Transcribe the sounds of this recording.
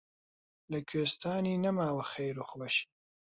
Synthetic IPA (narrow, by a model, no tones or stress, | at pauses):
lɐkʲʰweːst̪ʰaːniːnɐmaːwɐxejɾuːχlɐʃi̥